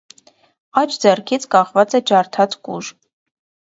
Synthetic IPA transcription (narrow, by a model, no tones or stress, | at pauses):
ɑt͡ʃʰd͡zɛrkʰit͡sʰkʼɑχvɑt͡səd͡ʒɑɾt̪ʰɑt͡skʼṵʒ